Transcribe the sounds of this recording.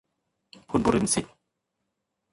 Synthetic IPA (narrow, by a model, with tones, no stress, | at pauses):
pʰu˧˥nbu˧ɾi˧˥msi˨˩t̪̚